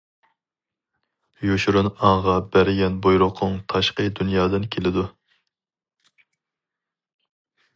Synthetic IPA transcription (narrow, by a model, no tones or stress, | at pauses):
joʃɾunɑŋʁɑbæɾɪɡʲɛnbojɾʊqʰʊŋt̪ʰɑʃqəd̪unjɑːd̪ɨnkʲʰelɪd̪u